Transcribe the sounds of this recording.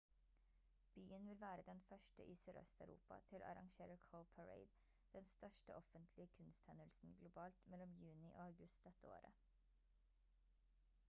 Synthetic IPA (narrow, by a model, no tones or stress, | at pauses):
b̥yːənʋɪlʋæːɾəd̪ɛnfœʃʈə̰ʔiːsyːɾœ̰st̪æʉɾṵːpɑ̰t̪ʰɪlʔɑ̰ɾɑ̰ŋʃeːɾəɾkʰoʊpʰəɹḛɪd̪ | d̪̥ɛnst̪œʃʈəʔɔfənt̪ʰlɪəkʰʉnst̪hɛnəlsn̩ɡlʊbɑːlt̪mɛlɔmjʉːnɪʔoːæʉɡʉst̪̚d̪ɛt̪əo̰ːɾə̰